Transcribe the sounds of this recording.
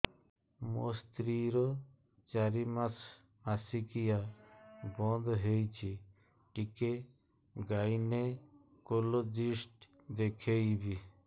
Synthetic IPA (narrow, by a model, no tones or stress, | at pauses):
most̪ɾiɾɔ | t͡ʃaɾimas | asikija | bɔ̃nd̪ɦejt͡ʃʰi | ʈike | ɡaine | kolod͡ʒisʈ | d̪ekʰejbi